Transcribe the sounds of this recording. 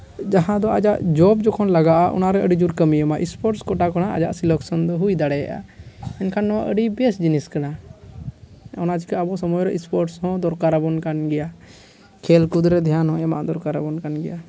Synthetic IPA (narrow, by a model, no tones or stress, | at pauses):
d͡ʒaɦãd̪ɔad͡ʒaʔd͡ʒɔbd͡ʒɔkʰɔnlaɡaʔaʔɔ̰naɾɛəɖid͡ʒuɾkəmijəmaʔispɔɾʈskɔʈakɔnaʔa̰d͡ʒa̰ʔsilɔksɔnd̪ɔɦujd̪aɽɛja̰ʔa̰əɲkʰanːɔwaʔəɖibɛsd͡ʒiniskana | ɔnat͡ʃikɛabɔsɔmɔjɾɛʔispɔɾʈshɔ̃d̪ɔɾkaɾabɔnkanɡɛja | kʰɛlkud̪ɾɛd̪ʱjanɦɔ̃ɛmaʔd̪ɔɾkaɾabɔnkanɡɛja